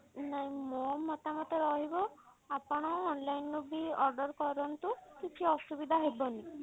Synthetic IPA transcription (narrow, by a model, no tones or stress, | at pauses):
naɦĩmomɔt̪amɔt̪eɾɔɦibɔ | apɔɽ̃ɔːnlajnːubʱiɔɾɖɔɾkɔɾɔnt̪ukit͡ʃʰiɔsubid̪ʱaɦebɔni